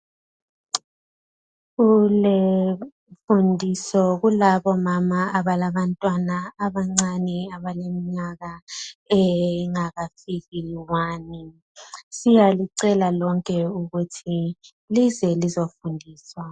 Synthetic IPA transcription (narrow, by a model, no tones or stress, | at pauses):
ɣule | fundʱisɔɣulaβɔmamaːβalaβantʼwanaːβaŋ͡ǀanɛaβalemiɲaɣaɛŋaɣafiɣiwaːni | sijaliǀɛlalɔŋkʼɛuɣutʰi | lizɛlizofundʱiːswa